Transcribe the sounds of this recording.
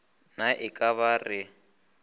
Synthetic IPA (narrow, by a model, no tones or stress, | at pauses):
naʔɪkʼaβarɪ